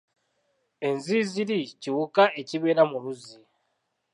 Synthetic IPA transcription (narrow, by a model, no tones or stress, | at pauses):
e̞nziziliciwukaʔe̞ciβe̞ːɾamuluzi